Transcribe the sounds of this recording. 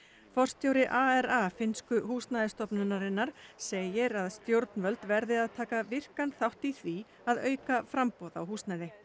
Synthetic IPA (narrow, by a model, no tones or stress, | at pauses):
fɔr̥st̪jowɾɪʔaɛɾafɪnskʏɦhuːst̪naːjðɪst̪ɔpnʏnaɾɪnːaɾ̥seːjɪɾaðst̪jowɾt̪nvœlt̪vɛɾðɪaðt̪ʰaːkavɪr̥kanθawht̪iθvi | aðœːɥkafɾampɔːwða̰whuːst̪najðɪ